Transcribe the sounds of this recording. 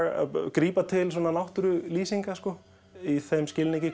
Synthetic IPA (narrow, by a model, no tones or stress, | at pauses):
kɾiːpat̪ʰɪls̬ɔːnanawht̪ʏɾʏliːsiŋkaskɔː | iθejmscɪlnɪcɪ